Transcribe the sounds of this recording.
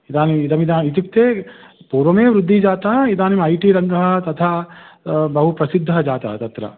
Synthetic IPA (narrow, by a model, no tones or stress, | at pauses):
id̪aːniid̪ɐmid̪aːit̪ik̚t̪eːpuːɾʋɐmeːʋɾud̪ʱːid͡ʒaːt̪ɐid̪aːnimɐjʈiːɾɐnd̪ɐɦɐ̆t̪ɐt̪ʰaː | bɐɦupɾɐsid̪ʱːɐd͡ʒaːt̪ɐ̰t̪ɐt̪ɾɐ̰